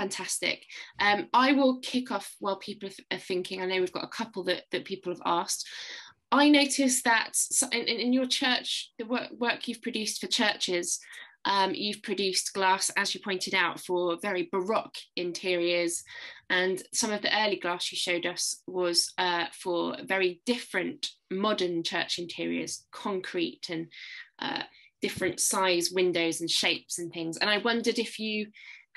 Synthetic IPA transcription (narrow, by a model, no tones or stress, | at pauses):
fãntʰastɪ̰kʔʌ̃maɪwɪlˠkʰɪkʰɒfwaɪlˠpʰiˑpəlˠəəθɪ̃ŋkʰɪ̃ŋə̃nðeɪwivɡɒ̰təkʰʌpəlˠðə̰ʔðəʔpʰiˑpəl̩ˠəvɑˑst | ʔaɪnəʊtʰɪsðətsʌʔɪ̃nʔɪ̃nɪ̃njət͡ʃʰɜˑt͡ʃðəwɜˑwɜˑkʰjʉv̥pʰɹ̥əd͡ʒʉˑstfət͡ʃʰɜˑt͡ʃɪz̥ʔʌ̃mjʉv̥pʰɹ̥əd͡ʒʉˑsɡ̥lɑˑsəzjəpʰɔ̃ɪ̃ntʰɪɾaʊtfəvɛɹibəɹɒkɪ̃ntʰɪəɹiəz̥ʔə̃nsʌ̃mʌvðiʔɜːliɡlɑˑsjɨʃəʊdʌswɒz̥ʌfəvɛɹidɪfɹə̃nmɒdənt͡ʃʰɜ̰ˑt͡ʃɪ̃ntʰɪəɹḭə̰z̥kʰɒ̃ŋkʰɹ̥itʰə̃nʔʌ̰ | d̥ɪfɹə̃ntsaɪzwɪ̃ndəʊzə̃nʃeɪpsə̃nθɪ̃ŋzə̰̃ñaɪwʌ̃ndədɪfjə